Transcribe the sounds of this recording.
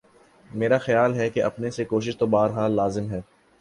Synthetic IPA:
meːɾaxɐjaːlɦɛkeʔɐpnesekoːʃ̬ɪʃt̪obaːɾɦaːlːaːzɪmɦɛː

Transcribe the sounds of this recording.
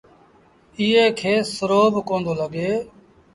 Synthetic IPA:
ɪːɦeːkʰeːsəɾoːbʱkoːnd̪oːləɠeː

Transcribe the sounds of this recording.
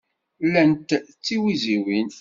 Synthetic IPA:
lənt̪t͡sːiwiziwin

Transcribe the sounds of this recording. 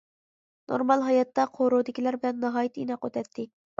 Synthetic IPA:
no̰ɾmɑlˠɦɑjɑt̪ːɑqʰoɾod̪ɪkʲilæɾbɪlɛnːɨɦɑːjit̪ʰinɑqøt̪ʰɛt̪ʰːɪ

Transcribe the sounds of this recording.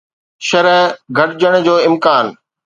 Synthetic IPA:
ʃɐɾəɦɡʱɐʈɪd͡ʑəɽ̃ʊd͡ʑoːɪmkaːn

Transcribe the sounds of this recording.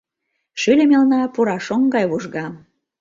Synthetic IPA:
ʃylʲĕmelnɑpuɾɑʃoŋɡɑjβuʒɣɑm

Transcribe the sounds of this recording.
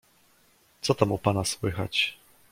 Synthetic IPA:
t̪sɔt̪amupanaswɘxa̰t͡ɕ

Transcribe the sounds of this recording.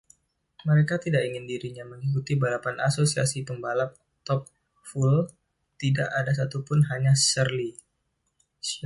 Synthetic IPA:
məɾekat̪idaʔiŋɪndiɾiɲaməŋikut̪ibalapanʔa̰sosia̰sit̪əmbalap̚ | t̪ɔp̚ | ful | t̪idaʔadas̬at̪upʊnɦaɲasərli

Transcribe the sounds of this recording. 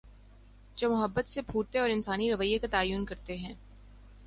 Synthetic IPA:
d͡ʒoːmʊɦəbːət̪sebʱuːt̪eɔːɾɪnsaːniɾɐʋəjekat̪aːjuːnkɐɾt̪eɦɛ̃ː

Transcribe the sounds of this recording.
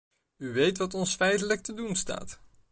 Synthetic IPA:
yʋejtʋɑtɔnsfɛjtələk̚tədunsta̰ːt

